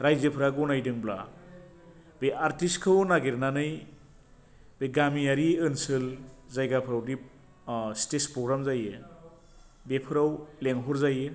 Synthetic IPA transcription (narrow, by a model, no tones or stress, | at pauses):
ɾajzɯpʰɯɾaɡɯwnajdɯŋbla̰ | beaɾtiskʰɯwnaɡeɾnanɯj | beɡamijaɾiɯnsɯlzajɡapʰɯɾawdi | stespɾɔɡɾamzaje | bepʰɯɾawleŋɦɔɾzaje